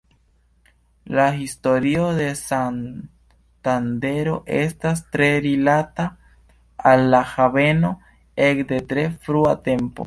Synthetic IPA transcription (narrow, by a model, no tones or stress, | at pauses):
lahistoɾio̞de̞san | tande̞ɾo̞ʔe̞̰stas̬tɾe̞ɾilata | alːahave̞no̞ | ekde̞tɾe̞fɾuate̞mpo̞̰